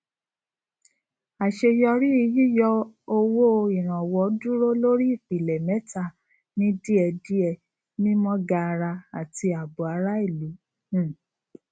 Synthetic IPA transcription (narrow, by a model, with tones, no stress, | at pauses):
a˨ʃe˧jɔ˧ɾi˦i˧ji˦jɔ˧o˧wo˦˧i˨ɾ̃ã˨wɔ˨˦du˦ɾo˦lo˦ɾi˦i˦˨fi˨lɛ˨mɛ˨˦ta˦˨ | nĩ˦di˦ɛ˧di˦ɛ˧ | nĩ˦mɔ̃˦ɡa˧ɾa˧a˨ti˧a˨bu˨a˧˦ɾa˦i˦˨lĩ˨˦˨